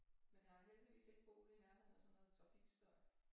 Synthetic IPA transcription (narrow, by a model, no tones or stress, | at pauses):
menjɑ̈hɑɦeld̥iʋḭːse̝ɡ̥əb̥o̝̰ʊːinæɐne̝ð̰ˠɐsɒmnot͡sʰʁɑ̈fḭɡ̥sd̥ɒɐ̰